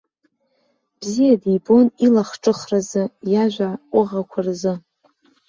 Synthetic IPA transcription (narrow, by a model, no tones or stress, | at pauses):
b̥zijadibo̞nilaχʈ͡ʂʼɨχrazɨjaʒʷaʊʁakʷʰarzɨ